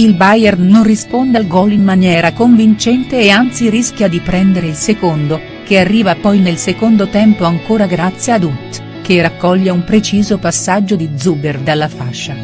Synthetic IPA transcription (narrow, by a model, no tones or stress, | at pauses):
ilbajɛrnonrispond̪ealɡɔlimmanjɛːɾakoɱvint͡ʃɛnt̪eːant̪siɾisk̟ʲjad̪ipɾɛnd̪eɾeilsekond̪o | kearːiːvapɔjnelsekond̪ot̪ɛmpoaŋkoːɾaɡɾat̪sːjead̪ut̪ | kerakːɔʎːeumpɾet͡ʃiːzopasːad͡ʒːod̪id̪zuberd̪alːafaʃːa